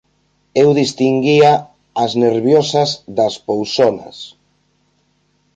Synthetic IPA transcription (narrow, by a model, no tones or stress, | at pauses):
ewðist̪iŋɡiaː | zneɾβjɔsɐzðɐspowsɔnɐ̰s